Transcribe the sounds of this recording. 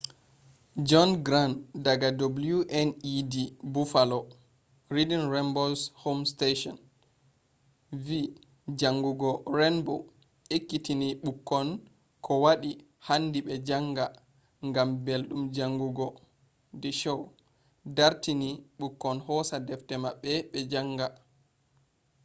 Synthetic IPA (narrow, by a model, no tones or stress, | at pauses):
d͡ʒɔnɡɾandaɡadobljuʔɛnidibufalɔ | ɾidinɾɛmbolshomsteʃɔ̰n | vi | d͡ʒaŋɡuɡɔɾɛnbo̰w | ʔekːitiniɓukːɔn | kʰɔwaɗi | handiɓɛd͡ʒaŋɡa | ŋɡambelɗumd͡ʒaŋɡuɡɔ | dɛʃɔw | daɾtiniɓukːɔnhɔsadɛftɛmaɓːɛɓɛd͡ʒaŋɡa